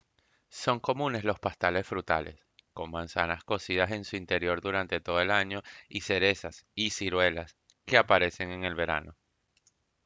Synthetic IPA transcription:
so̞ŋko̞mũne̞slo̞spast̪ale̞sfɾut̪a̰les | ko̞ŋmãnsanasko̞sið̞ase̞nsuint̪e̞ɾjo̞ɾðuɾant̪e̞t̪o̞ðoe̞laɲo̞ise̞ɾe̞sasisiɾwe̞las | ke̞apaɾe̞se̞ŋe̞ŋe̞lβe̞ɾa̰no̞

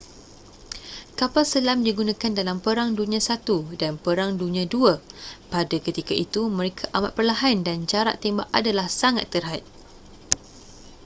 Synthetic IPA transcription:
kapalsəlamdiɡunãkandalampəɾaŋdunĩãsat̪udanpəɾaŋdunĩãduapadakət̪ikaʔit̪umə̃ɾekʰaʔamat̪̚pərlaɦandand͡ʒaɾa̰ʔt̪ːembaʔadalahsaŋa̰t̪ːərɦat̪̚

